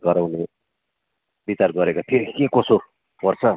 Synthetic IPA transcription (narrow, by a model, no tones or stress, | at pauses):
ɡʌɾawne | bit͡sarɡʌɾekopʰeɾikekoso | pʌrt͡sʰʌ